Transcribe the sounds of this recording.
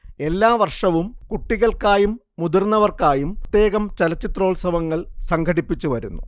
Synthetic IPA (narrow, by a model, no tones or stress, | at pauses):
e̞lːaːʋɐrʂɐʋumkuʈːiɣɐɭkaːjumːud̪urnːɐʋɐrkaːjumɐt̪jeːɣɐmt͡ɕɐlɐt͡ɕːit̪ro̞ːɭsɐʋɐŋːɐɭsɐŋɡʰʱɐɽipːit͡ɕːuʋɐɾunːu